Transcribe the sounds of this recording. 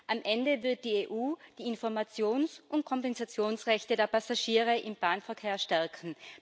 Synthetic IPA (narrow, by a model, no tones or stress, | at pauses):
ʔamʔɛndəvɪɐt̚d̥iːeːʔuːd̥iːɪnfɔɐmat͡sjoːnsʔʊnt̚kʰɔmpɛnzat͡sjoːnsʁɛçtədeːɐpʰasaʃiːʁ̞əʔɪmb̥aːnfɛɐkʰeːɐʃtɛɐkʰn̩